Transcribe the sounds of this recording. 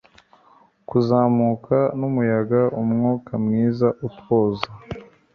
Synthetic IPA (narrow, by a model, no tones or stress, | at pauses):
kuzaːmukʰanumujaɡaʔumŋuːkamŋiːzaʔutwoːza